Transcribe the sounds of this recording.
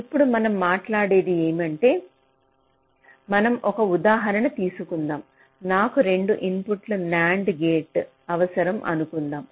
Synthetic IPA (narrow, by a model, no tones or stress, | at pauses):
ipːuɽumɐnɐmːaːʈlaːɽeːd̪ieːmɐɳʈe̞ː | mɐnɐmʔɔkɐud̪aːɦɐɾɐɳɐt̪iːsukund̪aːm | naːkuɾe̞ɳɖuʔinpuʈlunaːɳɖɡeːʈ | ɐʋɐsɐɾɐmʔɐ̰nukund̪aːm